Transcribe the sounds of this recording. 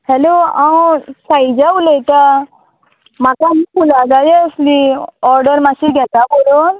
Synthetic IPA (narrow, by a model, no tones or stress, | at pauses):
hɛloãwsaid͡ʒauleit̪a | makamibulaɡad͡ʒɛəsliɔɾɖəɾmasiɡʱɛt̪abolon